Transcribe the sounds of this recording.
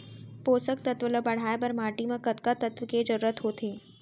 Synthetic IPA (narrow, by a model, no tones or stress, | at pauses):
poːsəkt̪ɐt̪ʋələbɐɽ̤aːebɐɾmaːʈimẽkɐt̪kat̪ɐt̪ʋked͡ʒɐɾuːɾət̪ɦoːt̪ʰeː